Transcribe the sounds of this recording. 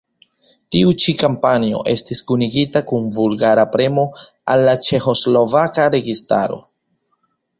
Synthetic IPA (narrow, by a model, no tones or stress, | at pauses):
tiut͡ʃikampanio̞̰ʔe̞̰stiskuniɡitakunvulɡaɾapɾe̞mo̞ | alːat͡ʃe̞xo̞slo̞vakaɾe̞ɡista̰ɾo̞̰